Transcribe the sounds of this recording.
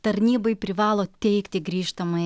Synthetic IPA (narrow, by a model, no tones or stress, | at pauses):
t̪ɐɾʲnʲiːbɐɪpʲɾʲɪʋɑːlˠoːt̪ʲɛɪkt̪ʲɪɡɾʲiːʃt̪ɐmɐɪ